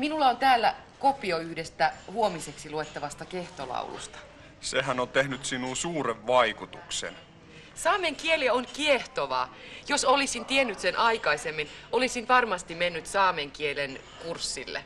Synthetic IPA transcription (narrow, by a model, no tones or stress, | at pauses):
minulːɑont̪æːlːæ | kopioyhdest̪æhuomiseksiluet̪ːɑʋɑst̪ɑke̞ht̪olɑ̰ṵlṵst̪ɑ̥ | sehænont̪ehnyt̪sinunsuːɾeʋʋɑikut̪uksḛn | sɑːmeŋkielionkieht̪oʋɑ̰ːjosolisint̪ienːyt̪senʔɑikɑisemːinʔolisinʋɑrmɑst̪imenːyt̪sɑːmeŋkielen | kursːilːḛ